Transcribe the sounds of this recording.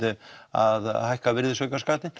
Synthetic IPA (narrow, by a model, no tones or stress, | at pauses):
ɪa̰ðhajhkavɪɾðɪsœjkaskaːt̪ɪn